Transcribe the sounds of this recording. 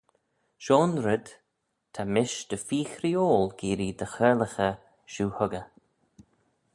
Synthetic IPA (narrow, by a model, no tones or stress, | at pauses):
ʃoːnɾɪd̪ | t̪ʰamɪʃd̪̥əfiːxɾioːlɡ̥iːɾid̪əxɜɹləxə | ʃuːhʊɡə